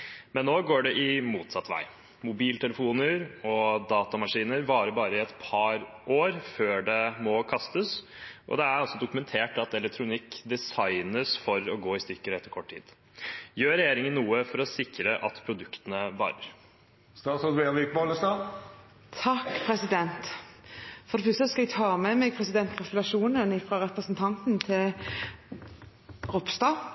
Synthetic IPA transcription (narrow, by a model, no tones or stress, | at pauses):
mɛnːoːɡoːɖɛʔɪmuːt̪sɑt̪ːʋæ̰ɪ | mʊbiːlt̪ʰɛləfuːnəɾɔd̪ɑːt̪ɑmɑʂiːnəɾʋɑːɾəbɑːɾəɪɛt̪pʰɑɾʔoːɾføːɖɛmɔkʰɑst̪əs | ʔɔ̰d̪ɛæɾɑsɔd̪ʊkʉmɛnt̪ʰeːʈɑt̪ɛlɛk̚t̪ʰɾʊnɪkːd̪ɛsɑɪnəsfɔɾɔɡoːɪst̪ʏkːəɾɛt̪ːəɾkʰɔʈʰḭːd̪̥ | jøːɾɛjeːɾɪŋənnːuːəfɔɾɔsɪkɾəʔɑ̰t̪pʰɾʊd̪ʉkt̪ənəʋɑ̰ːɾə̰ɾ | st̪ɑːsɔd̪ʋeːʋɪk̚bɑləst̪ɑː | t̪ʰɑkːpʰɾɛsɪd̪ɛnt̪ | fɔɖ̪ɛfœst̪əskɑɛɡt̪ʰɑːmɛmɛɡ̚pʰɾɛsɪd̪ɛnt̪kɾɑsəlɑʃuːnənɪfɾɑɾɛpɾəsnt̪ʰɑnt̪nt̪ʰɪl | ʁʊpst̪ɑː